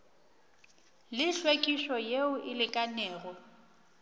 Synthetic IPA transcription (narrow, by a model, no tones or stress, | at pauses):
lɪɬwekʼiʃɔjeʊʔɪlɪkʼanɛːɣɔ